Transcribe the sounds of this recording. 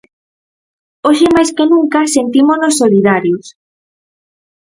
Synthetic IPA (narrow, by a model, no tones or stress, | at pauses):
oʃemajskenũŋkasent̪imoznosːoliðaɾjos